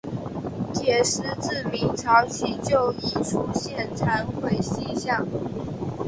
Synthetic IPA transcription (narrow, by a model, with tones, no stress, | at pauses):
t͡ɕjɛ˨˩ʂɻ̩˥˧t͡sɹ̩˥˩mi˧˥ŋʈ͡ʂʰɑ˧˥ʊt͡ɕʰi˧˥t͡ɕjo˥˨ʊi˥˩ʈ͡ʂʰu˥ɕjɛ˥˩nʈ͡ʂʰa˧˥nxwe˥˩ɪɕi˥ɕjɑ˥˩ŋ